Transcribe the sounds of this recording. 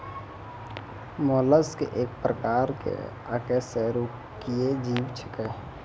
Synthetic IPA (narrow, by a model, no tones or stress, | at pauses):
moːləskḛʔeːk̚pɾəkaːɾkḛ | əkeseɾu | kijed͡ʒiːbt͡ʃʰə̥ke